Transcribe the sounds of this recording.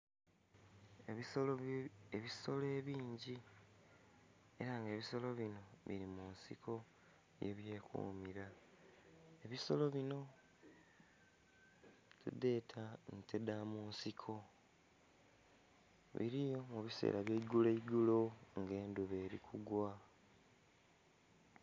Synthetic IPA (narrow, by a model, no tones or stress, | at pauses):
eeβiso̞le̞ːβiːɲɟi | e̞ɾaŋɡeːβiso̞lo̞βino̞βḭɾimuːnsikʰo̞ | je̞̰βje̞ːkṵːmiɾa | e̞βiso̞lo̞βino̞ | tud̪e̞ːtʰantʰedamunsikʰo̞ | βḭɾijo̞muβise̞̰ːɾaβjeiɡuleiɡulo̞ŋɡe̞ːnduβe̞ːɾikʰuɡwa